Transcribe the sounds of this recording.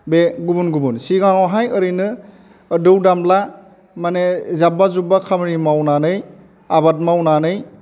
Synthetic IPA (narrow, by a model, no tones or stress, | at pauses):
beɡubunɡubunsiɡaŋɔɦajɯɾinɯː | dɯwdamla | manezabazubakʰamnimawnanɯj | abat̬̚mawnanɯj